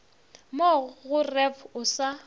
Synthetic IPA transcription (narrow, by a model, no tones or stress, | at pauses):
moɣʊrɛvʊsa